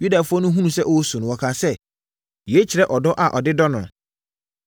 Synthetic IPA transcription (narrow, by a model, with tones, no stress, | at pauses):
ju˦da˨fʊ˦ɔ˦nʊ̃˦ɦũ˦nũ˨sɛ˦ʔɔ˦sũ˨ñ˨wɔ˨kʰa˦sɛ˦ | jɛ˨˦t͡ɕʰi˨ɾɛ˦ʔɔ˨dɔ˦ʔa˨ʔɔ˨dɪ˦dɔ˦nʊ̰̃˨